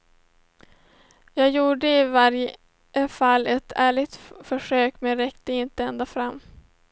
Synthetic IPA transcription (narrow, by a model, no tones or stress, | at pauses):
jɑːɡjuːɖəɪvaɾj | jəfalːɛt̪ʰæːɭɪɡt̪fœʂøːkmɛnɾɛkt̪əɪnt̪əɛnd̪afɾamː